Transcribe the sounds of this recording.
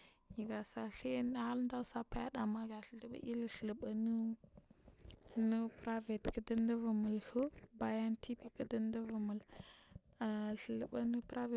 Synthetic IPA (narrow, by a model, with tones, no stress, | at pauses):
ji˨ɡa˨sa˨ɬe˦n˦ha˦lnda˦sa˦pa˦ja˦da˨ma˦ɡa˨ɬə˨lə˨ɓa̰˦ʔi˦lɬə˨lə˨bə˨nu˦ | nu˦pɾa˦ve˨tkə˦də˦ndə˦və˨mu˨lhə˦ba˨ja˦ntʰi˦pi˦kə˦də˦ndə˦və˨mu˨l | a˨ɬə˨lə˨ba˦nə˦pɾa˦ve˨